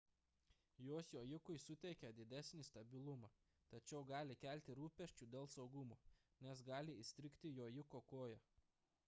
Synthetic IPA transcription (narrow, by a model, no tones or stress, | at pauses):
joːsjoːjɪkʊɪsʊt̪ʲɛɪkʲɛd̪ʲɪd̪ʲæsʲnʲɪst̪ɐbʲɪlˠʊmɑ | t̪ɐt͡ʃʲɛʊɡɑːlʲɪkʲælʲt̪ʲɪɾuːpʲɛʃʲt͡ʃʲuːd̪ʲeːlˠsɒʊɡʊmoːnʲɛsɡɑːlʲɪɪsʲt̪ʲɾʲɪkʲt̪ʲɪjoːjɪkokoːjɛ